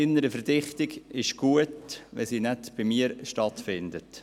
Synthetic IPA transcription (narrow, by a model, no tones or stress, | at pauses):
ɪnːəɾəfəɾd̥ɪχt̪ɪɡɪʃɡ̥uətʋɛ̰siːnɛtb̥ɪmiːəɾʃtɑtfɪndət